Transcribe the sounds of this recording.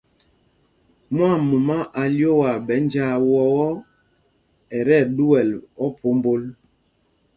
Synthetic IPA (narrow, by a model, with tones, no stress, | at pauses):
mwa˦˨mu˨ma˦ʔa˨ljo˦wa˨bɛ˨˦n˦d͡ʒa˦wɔ˦ɔ˦ | ɛ˨ɾɛ˦˨du˦wɛ˨lɔ˦pʰo˨˦m˦bo˦l